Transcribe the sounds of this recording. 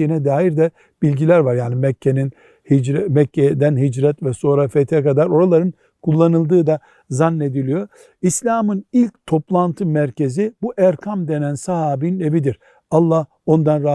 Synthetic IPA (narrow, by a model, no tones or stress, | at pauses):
iinɛd̪aːjiɾd̪ɛ | bilʲɟilʲæɾvaɾjaːnimɛcʰːenin | himɛcːɛd̪ænɦid͡ʒɾɛt̪vɛso̞ːɾafet̪ʰɛkad̪aɾo̞ɾalˠaɾɯn | kʰulˠːanɯlˠd̪ɯːd̪a | zanːe̞d̪ilʲijo̞ | islʲaːmɯnilʲct̪ʰo̞plˠant̪ʰɯmæɾcʰe̞zibuʔæɾkʰamd̪e̞nænsaɦaːbinine̞vid̪iɾ̥ | alˠːah | o̞nd̪anɾa